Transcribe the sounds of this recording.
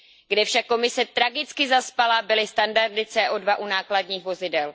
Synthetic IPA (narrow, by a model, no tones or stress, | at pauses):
ɡdɛfʃakːo̞mɪsɛt̪ɾaɡɪt͡skɪzaspalabɪlɪst̪andardɪt͡sɛːʔodvaʔunaːkladɲiːxvo̞zɪdɛl